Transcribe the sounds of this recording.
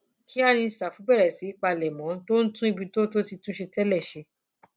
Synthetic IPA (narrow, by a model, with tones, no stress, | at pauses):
kʰi˨˦a˦˨nĩ˧sa˨fu˨˦bɛ˦˨ɾɛ˨si˨˦i˦k͡pa˧lɛ˨mɔ̃˨˦to˦n̩˦tũ˦i˦˧bi˧to˦to˦ti˧tũ˦ʃe˧tɛ˦lɛ˦˨ʃe˧